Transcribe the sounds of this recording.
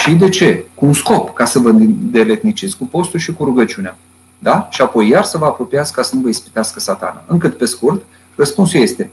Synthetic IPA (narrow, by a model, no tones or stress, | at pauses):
ʃid̪e̞t͡ʃe̞kuːnsko̞pkasəvəd̪e̞le̞t̪nit͡ʃesʲkupo̞st̪ulʃikuɾuɡət͡ʃiunea | d̪aʃiapo̞jːarsəvəapɾo̞piat̪skkasənuvəispi̥t̪easkəsat̪a̰na̰ɨŋkɨt̪pe̞skurt̪ | rəspunsulje̞st̪e̞